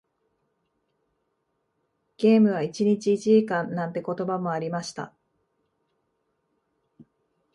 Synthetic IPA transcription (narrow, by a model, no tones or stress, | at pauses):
ɡ̥e̞ːmɯ̟β̞ait͡ɕiɲ̟it͡ɕiːt͡ɕiʑikãnːãnt̪e̞ko̞t̪o̞bamo̞aɾʲimaɕi̥t̪a̰